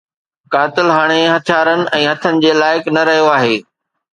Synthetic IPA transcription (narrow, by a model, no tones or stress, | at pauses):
kaːt̪ɪlɦaːɽ̃eɦɐt̪ʰjaːɾənɪ̆ʔɛ̃ːɦɐt̪ʰənɪ̆d͡ʑeːlaːɪknɐɾɐɦijoaːɦeː